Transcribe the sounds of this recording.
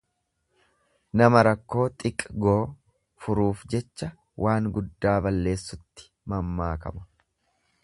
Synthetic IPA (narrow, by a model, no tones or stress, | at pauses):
nɐmɐɾɐkːo̞ːt̪ʼɪkʼɡoː | fʊɾuːfd͡ʒɛt͡ʃːɐ | wʔaːŋɡʊd̪ːaːbɐlːe̞ːsːʊt̪ːɪ̥ | mɐmːaːkɐ̰mʊ̥